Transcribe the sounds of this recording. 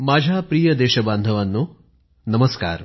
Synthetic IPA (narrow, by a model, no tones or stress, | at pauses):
maːd͡ʒʱaːpɾiːjɐd̪ɛːʃɐbaːnd̪ʱɐʋɐnːu | nɐmɐska̰ːɾ